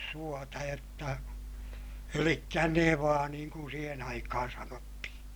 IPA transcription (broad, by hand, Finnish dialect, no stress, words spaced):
suotɑ jotːɑ elikːæ neʋɑː niːŋ kun siːhen ɑikɑhɑn sɑnotːihĩː